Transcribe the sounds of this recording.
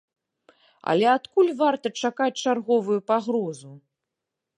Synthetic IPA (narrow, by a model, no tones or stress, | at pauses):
ɐ̰lʲɛat̪kulʲvart̪ɐt͡ʂakat͡sʲt͡ʂarɣɔvujupaɣɾɔzu